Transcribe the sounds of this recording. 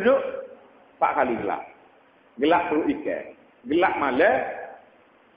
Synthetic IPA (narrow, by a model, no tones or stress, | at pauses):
dʊʔ | pa̰ʔkaliɡəla̰ʔ | ɡəlaʔpəɾuʔikɛ̰ | ɡəlaʔmalɛ